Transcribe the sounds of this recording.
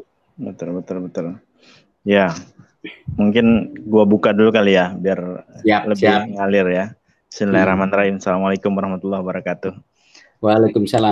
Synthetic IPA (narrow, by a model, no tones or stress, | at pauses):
bət̪ʊlbət̪ʊlbət̪ʊl | ja | muŋkɪnɡuabukadulukalijabiarləbɪhŋalɪrja | sənilaɾahmanɾaɦɪmsalamalajkʊmwaɾɑhmat̪ulːɑhwbaɾɑkat̪ʊh | walakʊmsala